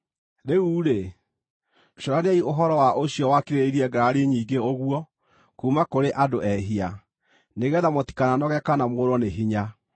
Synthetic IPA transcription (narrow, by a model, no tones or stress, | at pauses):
ɾeuːɾe | ɕɔɾaneaioɦɔɾɔwaʔoɕjɔwakiɾeɾeiɾiɛɡaɾaɾeɲiːɡeoɣwɔ | kuːmakoɾeʔadoɛɦia | neɣɛðamɔti̥kananɔɣɛkanamoɾɔneɦiɲa